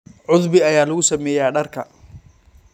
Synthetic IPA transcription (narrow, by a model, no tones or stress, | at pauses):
ʕʊðbɪɐjaːlɐɣʊsɐmɛːjaːɖɐrkʰɐ